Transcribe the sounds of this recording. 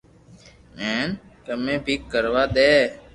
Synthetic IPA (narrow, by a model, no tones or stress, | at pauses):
eːnkəmẽːbʱiːkːəɾʋaːɗ̪eː